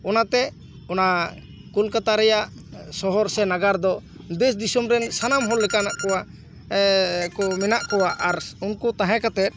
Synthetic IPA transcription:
ɔnat̪ɛ | ɔna | kulkat̪aɾɛjaʔ | sɔɦɔɾsɛnaɡaɾd̪ɔ | d̪ɛs̬d̪isumɾɛnsanamɦɔlːɛkanaʔkɔwa | kɔmɛnaʔkɔwaʔaɾunkut̪ãɦɛ̃kat̪ɛt̪̚ˀ

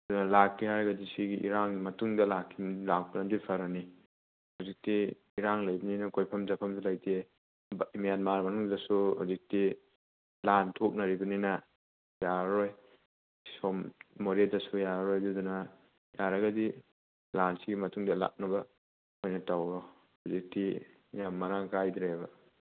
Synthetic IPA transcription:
dunɐlakːihaɾɐɡɐdisiɡiʔḭɾaŋɡimɐtuŋdɐlakʰːilak̚pɐnɐdujpʰɐɾɐni | huzik̚tiː | ɾaŋlajbɐninɐkojpʰɐmzapʰɐmsulajtʰe | bimijanmaɾmɐnuŋdɐsuhuzik̚ti | lantʰok̚nɐɾibɐninɐ | jaɾoj | sɔmːoɾedɐsujaɾɾojdudunɐ | jaɾɐɡɐdi | lansiɡimɐtʰuŋdɐla̰k̚nɐbɐ | kojnɐtawɡɔ | huzik̚ti | jamːɐɾaŋkajd̪ɾebɐ

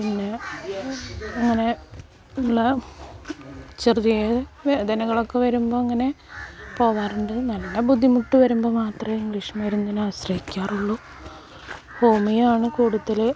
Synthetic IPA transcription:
pinːe | ɐŋːɐne̞ | nlːɐ | t͡ɕirðijed̪ɐnɐɣɐɭo̞kːe̞ʋɐɾumbo̞ːɐŋːɐne | po̞ːʋaːruɳɖɨnɐlːɐːebud̪ʱːimuʈːuʋɐɾumbo̞ːmaːt̪rɐmiŋɡliʂmɐjɾunːɐinaːɕrɐhikʲːaːruɭːu | hoːmijaːɳɨkuːɽuðɐl

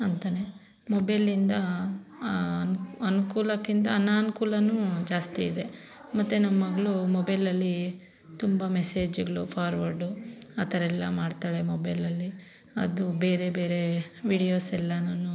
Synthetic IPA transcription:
ɐnt̪aːne | mobɐjlind̪ɐ | nɐnukuːlɐkːind̪ɐːnːaːnukuːlɐnud͡ʒaːst̪iːd̪e̞ | mɐt̪ːunɐmːɐɡɐɭumobɐjlɐlːi | t̪umbɐmese̞ːd͡ʒuɡɐɭupʰaːɾʋɐɾɖuɐt̪ɐɾɛlːɐ̰maːɖt̪aːɭemobɐjlɐlːi | ɐ̰d̪ube̞ːɾe̞be̞ːɾe̞ʋiːɽijoːsɛlːɐnaːnːu

